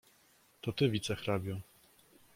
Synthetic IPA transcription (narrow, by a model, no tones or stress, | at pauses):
t̪ɔt̪ɘvʲit̪sɛxɾabʲjɔ̃